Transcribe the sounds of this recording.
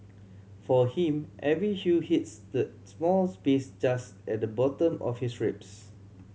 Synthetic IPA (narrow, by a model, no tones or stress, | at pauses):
fɔhĩmʔɛvɹihjuhitsdə | smɔlspesd͡ʒas | ɛt̚dəbɔtə̃mɔ̰fhisɹɪps